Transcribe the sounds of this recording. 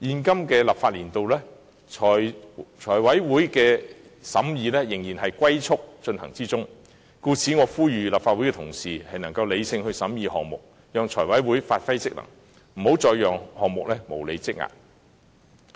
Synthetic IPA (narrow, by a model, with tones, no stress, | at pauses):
jiː˨˧nkɐ˥mkɛː˧laː˨p̚faː˧t̚liː˨˩nt̪o˨wlɛː˥ | ɔː˨˩t͡ʃʰɔː˨˩jwɐ˨˥jwuː˨˥jkɛː˧ | sɐ̰˨˥mjiː˧lɛː˥jɪ˨˩ŋjiː˨˩nhɐ˨jkʷɐ˥jt͡sʰʊ˥k̚t͡ʃɵ˧nhɐ˨˩ŋt͡siː˥t͡sʊ˥ŋ | kuː˧t͡sʰiː˨˥ŋɔː˨˧fuː˥jyː˨laː˨p̚faː˧t̚wu˨˥kɛ˧t̪ʰʊ̰˨˩ŋsiː˨hɐ˨jnɐ˨˩ŋkɐ˧wle˨˧jsɪ˧ŋhɵ˧ɥsɐ˨˥mjiː˨˧hɔ̰ː˨ŋ̚mʊ̰˨k̚ | jœː˨ŋt͡sʰɔː˨˩jwɐ˨˥jwuː˨˥jfaː˧t̚fɐ˥jt͡sɪ˥k̚lɐ̰˨˩ŋ | m̩˨˩ho˨˥wt͡sɔː˨˧jjœː˨˩ŋhɔː˨ŋ̚mʊ˨k̚lɛː˥mo˨˩wle˨˧jt͡sɪ˥k̚ŋa̰ː˨k̚